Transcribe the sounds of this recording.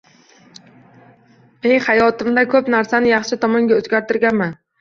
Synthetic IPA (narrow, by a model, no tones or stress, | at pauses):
ejhajɒt̪ɪmd̪akʰɵpnaɾsanɪjɑχʃɪt̪ʰɒmɒŋɡʲaɵzɡʲaɾt̪ɪɾɡʲanman